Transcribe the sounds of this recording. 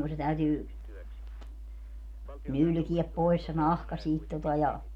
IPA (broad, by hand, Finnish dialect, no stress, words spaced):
ku se tæytyː nylkiɛp pois se nɑhkɑ siːt totɑ jɑ